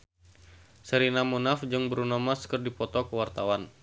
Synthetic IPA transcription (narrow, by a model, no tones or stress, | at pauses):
səɾinamunafd͡ʒɨŋbəɾunɔmaskərdipɔt̪ɔkəwart̪awan